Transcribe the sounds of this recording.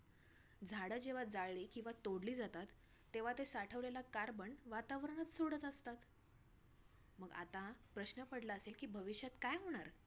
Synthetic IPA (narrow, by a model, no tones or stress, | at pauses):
d͡zʱaɽəd͡ʑeʋ̤ad͡zaɭɭiːkĩw̃ʋat̪oɽliːd͡zat̪at̪ː | eʋ̤at̪esaʈʰəʋlelakaɾbəɳʋat̪aʋɾəɳ̃at͡s̪soɽət̪əst̪at̪ | məɡa̰t̪apɾəɕnəpəɽlaːselkiːbʱəʋiɕjat̪kajɦoɽ̃aɾ